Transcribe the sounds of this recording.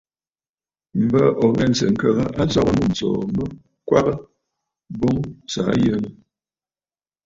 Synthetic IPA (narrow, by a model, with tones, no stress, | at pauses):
m̩˨bə˦ʔɔ˨ɣɛ˦˨n˨sə̰˨ŋ̩˦kə˦˨ɣə˦ʔa˦t͡sɔ˦ɣə˦nu˦˨n̩˨t͡sɔ̰ː˨mə˦ | kwa˦ɣə˦ | bo˦ŋsa̰˨˦jə˦nə˦